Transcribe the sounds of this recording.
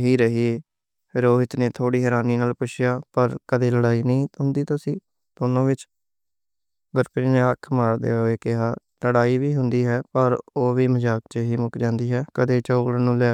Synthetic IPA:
ɦiːɾəɦiːe | pʰɪɾoːɪt̪neːt̪ʰoːɽiːɦɛːɾaːniːnaːlpʊʃjaːpəɾkəd̪eːləɽaːiːnəĩːɦʊ̃nd̪iːt̪aːsĩː | d̪̥oːnõːʋɪt͡ʃ | ɡəɾpɾiːneːəkʰmaːɽd̪ḛːoeːkɪɦaː | ləɽaːiːʋiːɦʊnd̪iːɦɛːpəɾoːʋiːməd͡ʒaːkt͡ʃəɦiːmʊkd͡ʒãːnd̪iːɦɛːkəd̪eːt͡ʃəːklənũːlɛː

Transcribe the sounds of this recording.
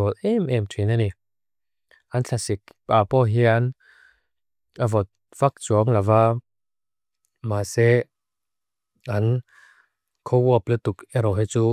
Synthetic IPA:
ɔlʔɛmɛmtʰinanik̚ | ʔanɬʰasik̚papɔɦian | avɔt̪̚ | v̥ak̚t͡suɐŋlava | masɛ | an | kʰɔwuaplɛt̪ukɛɾɔɦɛt͡su

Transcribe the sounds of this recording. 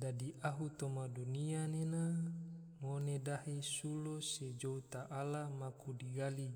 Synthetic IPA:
dadiʔaɦut̪omadunianena | monedaɦesulosed͡ʒout̪aʔalamakudiɡali

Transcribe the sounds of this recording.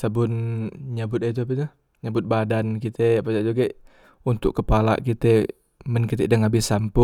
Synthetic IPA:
sabʊnɲabʊt̪̚et̪uapɛt̪u | ɲabʊt̪̚badankit̪ʰɛpad͡ʒaʔd͡ʒuɡe | unt̪ʊ̰kːəpala̰kit̪ɛ | mənkit̪ɛdaŋabɪsampʊ

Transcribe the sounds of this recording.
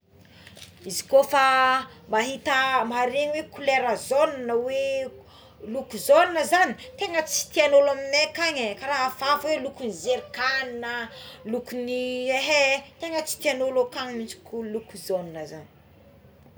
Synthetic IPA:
izi̥kofa | maɦit̪əmaɾeɲwekuleɾəzonnəwe | lukuzoninəzani̥t̪eŋət͡si̥t̪ianolaminekaɲekaɾaɦafafwelukunizeɾikaninəlukunieɦet̪eŋət͡si̥t̪ianolokaɲmit͡ʃi̥kulukuzoninəza̰ni̥

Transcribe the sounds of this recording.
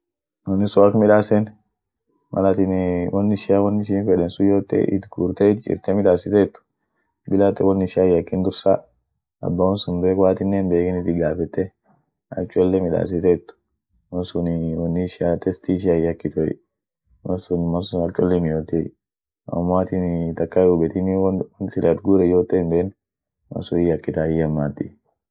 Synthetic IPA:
wɔnːɪsʊɐkmɪᶑaːsɛn | mʔɐ̰lat̪ɪnwʔɔnːɪʃɪjawɐnːɪʃ̬iːnfɛᶑɛnsʊjoːt̪ːɛ̰ʔɪ̰t̪ɡuːɾt̪ɛɪt̪t͡ʃʼɪ̰ɾt̪ɛmɪᶑaːsɪt̪ɛt̪ːʊ̥ | bɪlat̪ːɛwɔnːɪʃɪjajɐkːɪnd̪ʊɾsa̰ | ɐ̰bːawɔnsʊmbeːkwaːt̪ɪnːenbeːkɪnɪt̪ɪɡaːfɛt̪ːɛ | ɐ̰t͡ʃːɔlːɛmɪᶑa̰ːfs̬ɪt̪ɛt̪ːʊ̥ | wɐnsʊnwɐnːɪʃɪat̪ɛst̪iʃ̬ɪajɐkːɪt̪ɔ̰ | mɐsʊnmɐnsʊɐt͡ʃʼːɔlːɛnɪjoːt̪ːe | ɐ̰mːaːt̪ɪt̪ɐkːaʊbɛt̪ɪniwnsɪlɐt̪ɡuːɾɛjoːt̪ːeːmbeːn | mɐ̰sʊɪjɐkːɪt̪aːjɐmːaːt̪ːɪ̰

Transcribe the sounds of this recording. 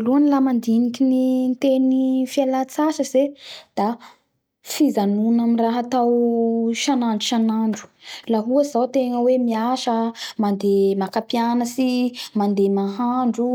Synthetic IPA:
luanlamand̪inikinint̪enifialat͡saʃəzed̪̥a | fizanunaminraɦat̪awʃanaɳɖ͡ʐuʃanaɳɖ͡ʐu̥laɦuəz̥awt̪eŋəwemiaʃəmand̪emakapianəsimand̪emaɦaɳɖ͡ʐu

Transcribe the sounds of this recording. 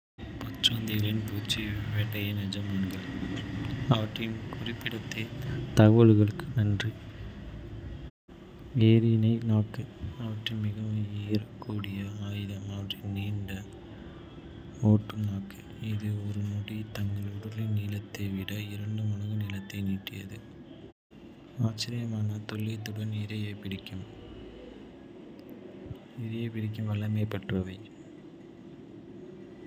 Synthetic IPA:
pɔt͡ʃːɾoːnd̪ɪɣɐlɪnpuːt͡ʃːiʋeɽɐjɐnɛd͡ʒɐmaːnɡɐɭ | ɐʋɐʈrɐjɯmkʊrɪpːɪɽɐt̪ːeːt̪ɐɣoɭɯɣɐɭɯkːɯnɐndri | eːɾɪnɐɪnaːkːɯɐʋɐʈrɯmɪɣɐʋɯ̃ejɾɐkːuːɽɪjɐaːjɪðɐmɐʋɐʈrɐniːɳɖɐ | oːʈːɯmnaːkːɯ | ɪðɯɔɾɯnɔɽit̪ɐŋɡɐɭʊɽɯɾlɪniːlɐt̪ːɐʋɪɽɐɪɾɐɳɖɯmɐnɐŋɡɯniːlɐt̪ːɐɪniːʈːɪjɐ̰ðɯ | aːt͡ʃːɪɾɪjɐmaːnɐt̪ɔɭːɐt̪ːʊɽʋɐnɪɾɐjepɪɽɪkʲːɯm | ɪɾɐjɐpɪɽɪk̬ːɯmʋɐlːɐnɐɪpːɐʈːrɐʋɐɪ

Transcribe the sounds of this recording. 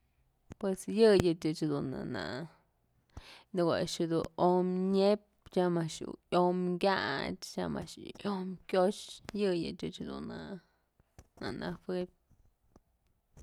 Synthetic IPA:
pwesjɨjɨt͡ʃɨt͡ʃd̪una̰na̰ | nɨɡʷa̰ʃɨd̪uomɲep | t͡ʃamaʃṵʔomɡʲat͡ʃt͡ʃa̰ma̰ʂʔjomkʲjoʃjɨjɨ̰t͡ʃɨt͡ʃd̪ṵna | nanafep̚

